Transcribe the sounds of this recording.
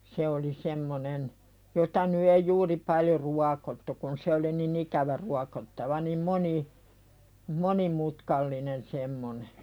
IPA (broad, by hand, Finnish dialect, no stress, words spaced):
se oli semːonen jotɑ ny ei juːri pɑljo ruɑkotːu kun se oli nin ikæʋæ ruɑkotːɑʋɑ nim moni monimutkɑlːinen semːone